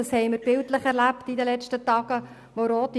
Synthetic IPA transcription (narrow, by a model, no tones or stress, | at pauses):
ɑshɛɪməɾb̥ɪltləχɛɾlæptidəlɛt͡ʃtətɑːɡ̥ə | ʋoɾoːt̪i